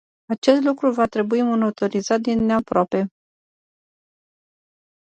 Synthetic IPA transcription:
at͡ʃe̞st̪lukɾuvat̪ɾe̞buimonot̪o̞ɾizat̪̚d̪inːe̞apɾoape̞

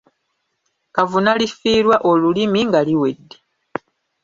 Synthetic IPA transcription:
kavunalifiːɾwaʔo̞lulimiŋɡaliwe̞dːe

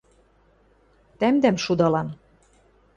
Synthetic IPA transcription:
t̪æmd̪æmʃud̪ɑlɑn

